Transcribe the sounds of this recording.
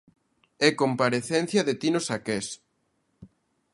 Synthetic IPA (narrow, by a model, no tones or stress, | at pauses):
ɛkompaɾeθɛn̟θjaðet̪inosakes